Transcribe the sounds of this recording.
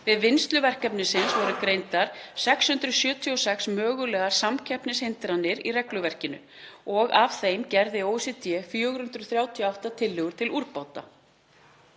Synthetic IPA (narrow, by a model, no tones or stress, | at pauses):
vɪðvɪnst̪lʏvɛr̥kɛpnɪnsɪnsvɔɾʏkɾejnt̪aɾ̥sɛkshʏnt̪ɾʏsjœːt̪ʰiɔsɛksmœːɣʏlɛːɣaɾ̥samcʰɛhpnɪshɪnt̪ɾanːɪɾḭrɛklʏvɛr̥cɪnʏ̰ | ɔɣavθejmcɛɾðɪowvsɪt̪ʰjɛfjœːɣɾʏnt̪ɾʏθɾjaːwt̪ʰiɔawht̪at̪ʰɪlːɪɣʏɾ̥t̪ʰɪluɾpaːwt̪a̰